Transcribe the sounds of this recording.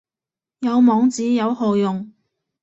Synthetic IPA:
jɐ˨˧wmɔː˨˧ŋt͡siː˨˥jɐ˨˧whoː˨jʊ˨ŋ

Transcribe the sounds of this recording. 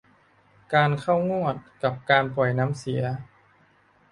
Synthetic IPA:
kaː˧nkʰa˥˩wŋu˥˩ət̪̚ka˨˩p̚kaː˧npɔ˨˩jna˦˥msi˩˦ɐ

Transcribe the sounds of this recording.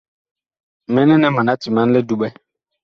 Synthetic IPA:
mɛ˨˦nɛ˦nɛ˦ma˨na˨˦ti˨ma˨n̩˦lɪ˦du˦ɓɛ˦

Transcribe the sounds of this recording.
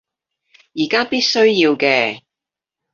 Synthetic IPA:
jiː˨˩kaː˥piː˥t̚sɵ˥ɥjiː˧wkɛː˧

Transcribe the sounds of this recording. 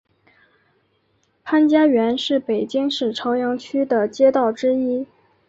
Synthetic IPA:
pʰa˥nt͡ɕja˥ɥɛ˧˥nʂɻ̩˥˩pe˨˩ɪt͡ɕi˥ŋʂɻ̩˥˩ʈ͡ʂʰɑ˧˥ʊjɑ˧˥ŋt͡ɕʰy˥d̪ə˨t͡ɕjɛ˥t̪ɑ˥˩ʊʈ͡ʂɻ̩˥i˥

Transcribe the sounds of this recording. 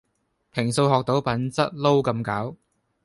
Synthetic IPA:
pʰɪ˨˩ŋso˧wɦɔː˨k̚t̪o˨˥wpɐ˨˥nt͡sɐ˥t̚lo˥wkɐ˧mkaː˨˥w

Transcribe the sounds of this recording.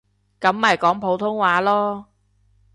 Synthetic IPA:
kɐ˨˥mːaː˨jkɔː˨˥ŋpʰo˨˥wt̪ʰʊ˥ŋwaː˨˥lɔː˥

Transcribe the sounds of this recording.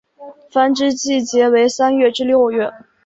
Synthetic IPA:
fa˥nʈ͡ʂɻ̩˥t͡ɕi˥˩t͡ɕjɛ˧˥we˧˥ɪsa˥nɥɛ˥˩ʈ͡ʂɻ̩˥ljo˥˧ʊɥɛ˥˩n

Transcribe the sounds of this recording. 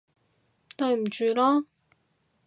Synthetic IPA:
t̪ɵ˧ɥm̩˨˩t͡ʃyː˧lɔː˥

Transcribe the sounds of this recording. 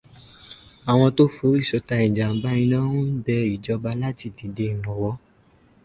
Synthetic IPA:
a˨w̃ɔ̃˧to˦fo˨˦i˦˨ʃɔ˧ta˧ĩ˨d͡ʒa˨m̩˦ba˦ĩ˧nã˦nũ˦n̩˦bɛ˧i˨d͡ʒɔ˧ba˧la˦ti˧˨di˨˦de˧˦˨ɾ̃ɔ̃˨wɔ˨˦

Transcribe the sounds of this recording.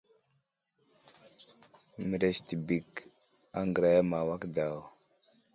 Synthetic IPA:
mi˨ɾe˨sti˨bi˨k | a˦ŋɡɾa˦jma˨wa˦kda˨w

